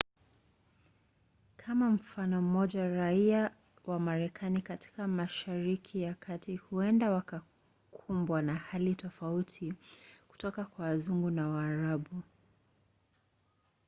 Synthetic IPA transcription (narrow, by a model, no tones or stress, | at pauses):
kʰamam̩fanɔm̩mɔʄaɾaia | wʔamaɾɛkʰanikatʰi̥kamaʃaɾikʰijakʰatihuɛndawaka | kʰumbwanahalitɔfautʰiku̥tɔkakwaːzuŋɡunawaːɾaɓu